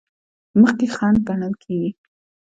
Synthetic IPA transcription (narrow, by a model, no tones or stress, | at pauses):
məxkexɑnbanəlkʰeɡi